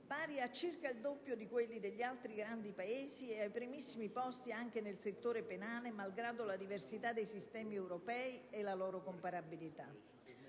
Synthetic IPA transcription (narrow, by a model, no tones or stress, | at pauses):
paːɾiat͡ʃːirkaild̪opːjod̪ikwelːid̪eʎːialt̪ɾiɡɾand̪ipaeːzieajpɾimisːimipɔst̪iaŋk̟enelset̪ːoːɾepenaːlemalɡɾaːd̪olad̪iversit̪ad̪ːejsist̪ɛːmiɛwɾopɛːielalɔːɾokompaɾabilit̪a̰